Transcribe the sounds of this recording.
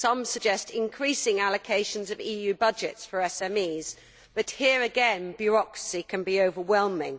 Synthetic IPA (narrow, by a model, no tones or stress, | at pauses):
sʌ̃msəɡ̚d͡ʒɛstɪ̃nkʰɹ̥iˑsɪ̃ŋaləkʰeɪʃə̃nzəviːjʉːbʌd͡ʒɪ̰tsfəɹɛsɛ̃miːz̥ | b̥ʌʔhiəɹəɡɛ̃nbjəɹɒkɹəsikʰə̃nbioʊvəwɛlˠmɪ̰̃ŋ